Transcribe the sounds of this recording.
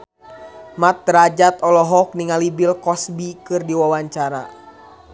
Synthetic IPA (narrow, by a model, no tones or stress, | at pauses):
mat̪̚ːɾad͡ʒat̪ɔlɔɦɔk̚niŋalibilkɔsbikɨrdiwawaɲt͡ʃaɾa̰